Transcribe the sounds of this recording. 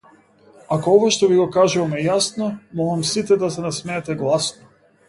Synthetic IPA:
akoɔvaʃt̪ɔviɡɔkaʒuvamɛjasnɔmɔlˠamsit̪ɛd̪asɛnasmɛːt̪ɛɡlˠasnɔ

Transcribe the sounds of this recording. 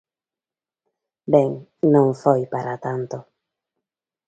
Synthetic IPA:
beŋnõŋfojpaɾat̪ant̪o

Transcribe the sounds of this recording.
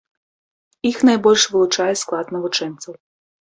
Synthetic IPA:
ixnajbɔlʲʃʋɪlˠʊt͡ʂajɛsklˠat̪nɐʋʊt͡ʂɛnt̪sɐw

